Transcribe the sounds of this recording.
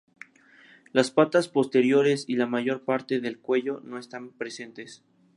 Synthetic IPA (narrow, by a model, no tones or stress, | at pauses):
laspat̪aspo̞st̪e̞ɾjo̞ɾe̞silamaʝo̞ɾpaɾt̪e̞ðe̞lkwe̞ʝo̞no̞est̪ampɾe̞se̞nt̪e̞s